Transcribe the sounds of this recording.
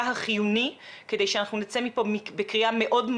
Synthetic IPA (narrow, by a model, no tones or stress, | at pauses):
ɦaχijunikedejʃeanaχnunit͡semipo̞mibekʁiame̞ʔo̞dm